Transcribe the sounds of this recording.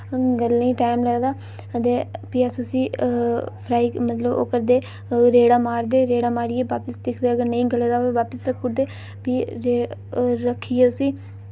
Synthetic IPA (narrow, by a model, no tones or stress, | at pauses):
ɡəlːĩːʈaːɪmləɡd̪aː | ət̪eːpiːəsusiː | pʰɾaːiːmət̪ləbo̰ːkəɾd̪eː | ɾeːɽaːmaːɾd̪eːɾeːɽaːmaːɾiːeːʋaːpəsd̪ɪkʰd̪eːəɡəɾnəĩːɡəleːd̪aːeʋaːpəsɾəkʰːʊd̪eː | piːɾeːɾəkʰːiːeʊsiː